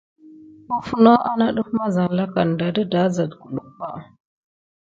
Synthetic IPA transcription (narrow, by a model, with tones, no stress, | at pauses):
u˦fu˦no˦ʔa˦na˦ɗu˦fma˦za˨n˨la˦ka˨n˨da˨də˦da˨˦za˨dku˨ɗu˨pa˦˨